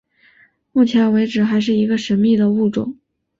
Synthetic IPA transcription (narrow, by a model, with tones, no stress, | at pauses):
mu˥˩t͡ɕʰjɛ˧˥nwe˧˥ɪʈ͡ʂɻ̩˨˩xa˧˥ɪʂ̬ɻ̩˥˩i˧˥ɡə˧ʂə˧˥nmi˥˩d̪ə˩u˥˩ʈ͡ʂʊ̰˨˩˦ŋ